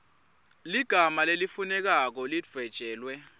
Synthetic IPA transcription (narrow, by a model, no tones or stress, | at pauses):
liɡ̥ʱamalelifunɛk̬ak̬ɔlid͡v̥ʱɛd̥ʒ̥ʱɛːlwɛ